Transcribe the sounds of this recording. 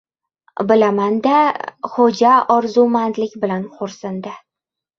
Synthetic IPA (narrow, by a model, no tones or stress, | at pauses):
bɪlamand̪aχod͡ʒaɒɾzumand̪lɪkʲbɪlanqʊɾsɪnd̪ɪ